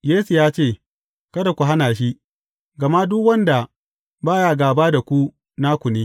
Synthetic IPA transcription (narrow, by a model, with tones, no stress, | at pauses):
jeː˦su˨jaː˦t͡ʃeː˦˨ | kɐ˦da˨kʷu˨ɦa˦naː˨ʃ̬i˦ʔ | ɡɐ˨ma˦dʊ˦kwɐ˦nda˨ | baː˦˨ja˦ɡaː˨baː˦da˨kʷu˦ | na˦kʷʊ˨niː˦